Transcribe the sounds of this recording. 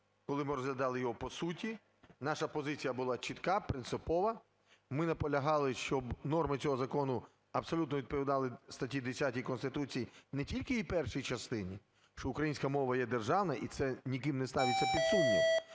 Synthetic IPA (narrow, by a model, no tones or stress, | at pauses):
kɔlˠɪmɪɾɔzɦlʲɐd̪ɑlˠɪjɔɦɔpɔsutʲi | nɑʃɐpɔzɪt͡sʲijɐbʊlˠɑt͡ʃit̪kɑpɾɪnt̪sɪpɔʋɐ | mɪnɐpɔlʲɐɦɑlˠɪʃt͡ʃɔbnɔrmɪt͡sʲɔɦɔzɐkɔnʊ | ɐbsɔlʲut̪nɔʋʲid̪̚pɔʋʲid̪ɑlˠɪst̪ɐtʲid̪esʲatʲijkɔnst̪ɪt̪ut͡sʲijinɛtʲilʲkɪipɛrʃijt͡ʃɐst̪ɪnʲi | ʃt͡ʃɔʊkɾɐjinʲsʲkɐmɔʋɐjɛd̪erʒɑwnɐʔit̪sɛnʲikɪmnɛst̪ɑʋʲɪt͡sʲːɐpʲid̪sumːʲi